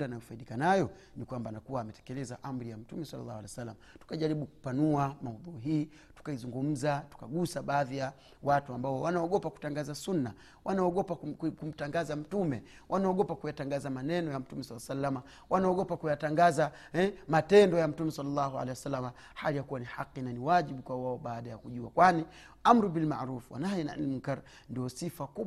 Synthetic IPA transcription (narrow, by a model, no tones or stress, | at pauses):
danajɔfaiɗikanajɔ | nikwambanakuwaːmɛtɛ̥kɛlɛzaʔam̩ɾijam̩tumɛsalːa̰lːa̰ːhwalɛsalːamatu̥kaʄaɾiɓuku̥panuamahuðuɦiː | tu̥kaizuŋɡum̩zatu̥kaɡusaɓaːðija | watuambaɔwanaɔɠɔpaku̥taŋɡazasunːa | wʔanaɔɠɔpakum̩taŋɡazam̩tumɛ | wʔanaɔɠɔpakujataŋɡazamanɛnɔjam̩tumɛsalːasalːama | wʔanaɔɠɔpakujataŋɡaza | ɛmatɛndɔjam̩tumɛsalːalːahua̰lɛjwasalːama | halijakuwaniħaqːinaniwaʄiɓukwawaɔɓaːɗajakuʄuakwani | amɾubilma̰ɾufwa̰najɛna̰ʔa̰lmkaɾ | ndiɔsifaku